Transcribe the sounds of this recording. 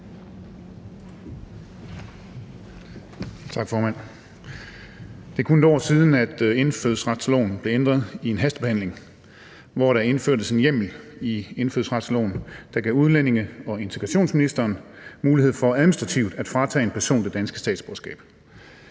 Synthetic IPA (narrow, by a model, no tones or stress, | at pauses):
t͡sʰɑ̈ɡ̥fɒːmæn̰ | d̥e̝kʰund̥ɒ̰ːsiːð̞ˠn̩æd̥e̝nfø̰ðˠsʁɑ̈d̥slo̰ːnn̩b̥le̝end̥ʁɐð̩ˠie̝nɦæsd̥ə̥b̥ehæn̰le̝ŋ | ʋɒɾɑ̈e̝nføɐ̰d̥əse̝njem̰l̩ie̝nfø̰ðˠsʁɑd̥slo̰ːn̩d̥ɑ̈ɡ̥ɛ̰uðˠlene̝ŋəɒ̽e̝nt͡sʰe̥ʁɑɕo̝̰ːnsminisd̥ɐːnmuːlihe̝ð̰ˠfɒ̽æðˠminisd̥ʁɑ̈t͡sʰiʊd̥æd̥fʁɑ̈t͡sʰɛ̰ːed̥̚pʰæɐso̝̰ːnd̥e̝d̥ænsɡ̥əsd̥ɛ̰ːd̥sb̥oːsɡ̥ɛ̰ːb̥